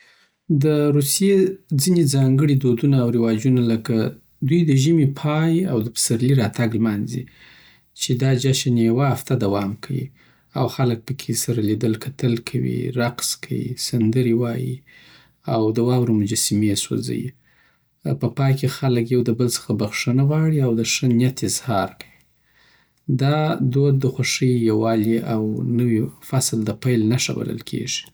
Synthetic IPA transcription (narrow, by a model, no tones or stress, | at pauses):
d̪əɾusijed͡zined͡zɑŋɡəɽid̪od̪unaːwɾɪwɑd͡ʒunaləka | d̪ujd̪əʒimepʰɑjawd̪əpə̥saɾliɾɑt̪aɡlmɑnzḭ | t͡ʃed̪ɑd͡ʒaʃanejawaaft̪ad̪awɑmkʰawḭ | a̰wxalək̚pəkʰesaɾalid̪əlkʰat̪əlkʰawḭɾaqskʰawḭsand̪əɾiwɑji | awd̪əwɑwɾumʊd͡ʒasimeso̰za̰jḭ | pəpɑjkexaləkjawd̪əbəlsə̥xabaxʂənaɣɑɽiawd̪əʂənjat̪ɪzhɑɾkʰḁwi | d̪ɑd̪od̪̚ːəxwaʂəjjawɑliʔawnəwifasld̪əpajlnaʂa̰ba̰lə̰lkʰḛʐi̥